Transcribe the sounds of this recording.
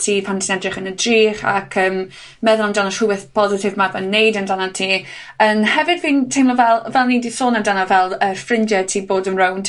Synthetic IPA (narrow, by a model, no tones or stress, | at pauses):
tʰiːpʰantʰɪnɛdrɪχənədriːχa̰kʰəːm | mɛðʊlˠəndɔnəsʊwɪθpʰɔzɪtʰɪvmabənːejdəndanatʰiː | ənhɛvɨdviːntʰejmlɔvɛlˠvɛlˠniːdisoːnəndanavɛlˠərfrɪndjɛtʰiːboːdənrown